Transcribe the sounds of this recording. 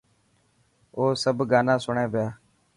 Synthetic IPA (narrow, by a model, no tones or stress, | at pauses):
oːsəbɡaːnãːsʊɳẽːʋjaː